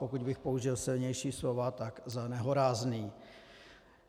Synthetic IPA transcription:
pokuɟbɪxpouʒɪlsɪlɲɛjʃiːslovat̪aɡzanɛɦoɾaːzniː

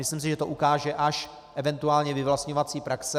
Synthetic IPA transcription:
mɪslims̬ɪʒɛt̪oʔukaːʒɛʔaʃ | ʔɛvɛnt̪uaːlɲɛvɪvlast̪ɲo̞vat͡siːpɾaksɛ

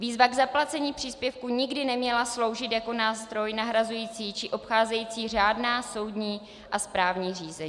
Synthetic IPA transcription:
viːzvaɡzaplat͡sɛɲiːpr̝̥iːspjɛfkuɲɪɡdɪnɛmɲɛlaslo̞wʒɪt̪jako̞naːst̪ɾo̞jnaɦɾazujiːt͡siːt͡ʃɪʔo̞pxaːzɛjiːt͡siːr̝aːdnaːso̞wdɲiː | ʔaspɾaːvɲiːriːzɛɲː

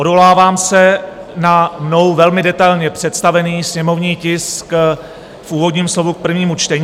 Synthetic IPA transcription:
ʔodolaːvaːmsɛnano̞wvɛlmɪdɛt̪ajlɲɛpr̝̥ɛt̪st̪avɛniːsɲɛmo̞vɲiːcɪsk | fʔuːvo̞dɲiːmslo̞vuk̚pr̩vɲiːmut͡ʃt̪ɛɲː

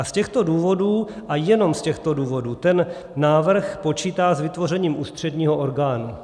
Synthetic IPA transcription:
ʔascɛxt̪o̞duːvo̞duːʔajɛno̞mscɛxt̪o̞duːvo̞duːt̪ɛnː | aːvr̩xpo̞t͡ʃiːt̪aːzvɪt̪vo̞rɛɲiːmʔuːst̪r̝̥ɛdɲiːɦoʔoɾɡaːnu

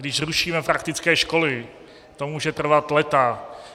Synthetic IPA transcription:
dɪʃruʃiːmɛpɾakt̪ɪt͡skɛːʃko̞lɪ | t̪omuːʒɛt̪r̩vat̪lɛt̪a

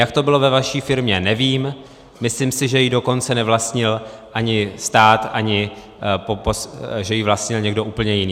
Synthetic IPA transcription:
jak̚t̪o̞bɪlo̞vɛvaʃiːfɪɾmɲɛnɛviːm | mɪslimsɪʒɛjɪdo̞ko̞nt͡sɛnɛvlast̪ɲɪlʔaɲɪst̪aːt̪ʔaɲɪ | popoʒɛjɪvlast̪ɲɪlɲɛɡdo̞ʔuːpl̩ɲɛjɪniː

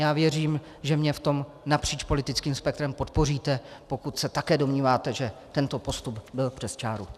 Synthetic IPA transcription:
jaːvjɛriːm | ʒɛmɲɛft̪o̞m | napr̝̥iːt͡ʃpolɪt̪ɪt͡skiːmspɛk̚t̪ɾɛmpo̞t̪̚po̞riːt̪ɛpo̞kut̪sɛt̪akɛːdomɲiːvaːt̪ɛʒɛt̪ɛnt̪o̞po̞st̪ubbɪlpr̥ɛst͡ʃaːɾu

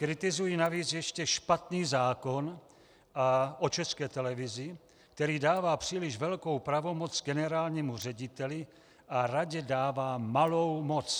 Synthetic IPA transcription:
kɾɪt̪ɪzujinaviːt͡sjɛʃcɛʃpat̪niːzaːko̞n | ʔaʔot͡ʃɛskɛːt̪ɛlɛvɪzɪ | kt̪ɛɾiːdaːvaːpr̝̥iːlɪʒvɛlko̞wpɾavo̞mot͡sɡɛnɛɾaːlɲimur̝ɛɟɪt̪ɛlɪ | ʔaɾaɟɛdaːvaːmalo̞wmot͡s

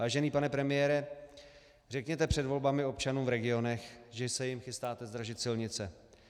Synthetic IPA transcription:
aːʒɛniːpanɛpɾɛmɪjɛːɾɛ | r̝ɛkɲɛt̪ɛpr̥ɛdvo̞lbamɪo̞pt͡ʃanuːmvɾɛɡɪo̞nɛxʒɛsɛjɪmxɪst̪aːt̪ɛzd̪ɾaʒɪt̪sɪlɲɪt͡sɛ

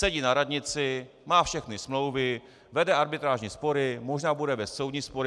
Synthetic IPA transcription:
sɛɟiːnaɾadɲɪt͡sɪmaːfʃɛxnɪsmlo̞wvɪ | vɛdɛaɾbɪt̪ɾaːʒɲiːspo̞ɾɪmoʒnaːbudɛbɛssowdɲiːspoɾɪ

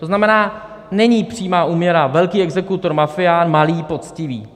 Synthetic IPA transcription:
t̪o̞znamɛnaː | nɛɲiːpr̝̥iːmaːʔuːmɲɛɾavɛlkiːɛɡzɛkut̪o̞ɾmafɪjaːnmaliːpo̞t͡scɪvḭː

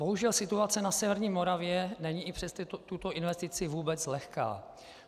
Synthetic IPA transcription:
boɦuʒɛlsɪt̪uat͡sɛnasɛvɛɾɲiːmoɾavjɛnɛɲiʔɪpr̝̥ɛst̪t̪ut̪oʔɪnvɛst̪ɪt͡sɪvuːbɛt͡slɛxka̰ː

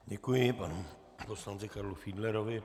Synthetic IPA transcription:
ɟɛkujɪpanu | poslant͡sɪkaɾlufiːdlɛɾovɪ

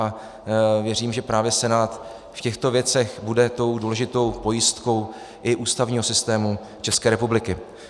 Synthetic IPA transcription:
vjɛriːmʒɛpɾaːvjɛsɛnaːt̪ | fcɛxt̪o̞vjɛt͡sɛxbudɛt̪o̞wduːlɛʒɪt̪o̞wpo̞jɪst̪ko̞w | ʔɪʔuːst̪avɲiːɦo̞sɪst̪ɛːmu | t͡ʃɛskɛːɾɛpublɪkɪ

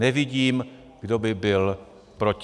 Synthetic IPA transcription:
ɛvɪɟiːm | ɡ̥dobɪbɪl | pɾoc

